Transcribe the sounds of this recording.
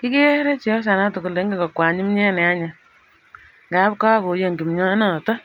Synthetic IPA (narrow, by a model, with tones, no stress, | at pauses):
ki˦ki˦ɛ˦ɾɛ˦t͡ʃi˨ɔ˦sa˨na˦to˨ko˨le˨˦ŋɡi˦ŋɡɔ˨kwa˨ɲi˦mɲɛ˦nɛ˨a˦ɲa˨ | ŋɡa˨˦p̚ka˦ko˨je˨ŋɡi˨mɲɔ˦nɔ˨tɔ˦